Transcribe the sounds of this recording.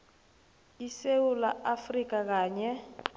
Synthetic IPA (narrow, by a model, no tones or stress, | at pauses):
isewulaʔafrik̬ʼak̬aːɲɛ